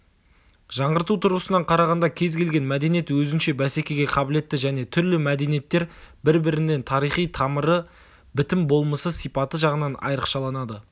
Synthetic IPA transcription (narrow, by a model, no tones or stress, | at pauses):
ʒ̥ɑɴʁəɾt̪ut̪ʰʊɾʁəsənɑɴqʰɑɾɑʁɑnd̪ɑkʲʰe̞zkʲʰe̞lɡʲe̞nmæd̪e̞nije̞t̪wɵzɪnʃe̞bæse̞kʲe̞ɡʲe̞qʰɑbɪle̞t̪ːɪʒæne̞t̪ʰʏɾlɪmæd̪e̞nije̞t̪ːe̞ɾbɪɾbɪɾɪne̞nt̪ʰɑɾijχijt̪ʰɑməɾə | bɪt̪ɪmbo̞lˠməsəsijpɑt̪əʒɑʁənɑnɑ̰jɾəqʃɑlˠɑnɑd̪ə